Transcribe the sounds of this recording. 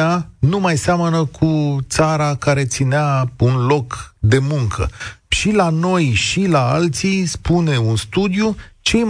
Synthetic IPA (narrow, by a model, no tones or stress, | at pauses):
anumajsamənəkʰut̪saɾakaɾe̞t̪sineaunlo̞kd̪e̞muŋkʰə̰ʃilano̞jʃilaalt̪sijspune̞unst̪ud̪ijut͡ʃe̞jm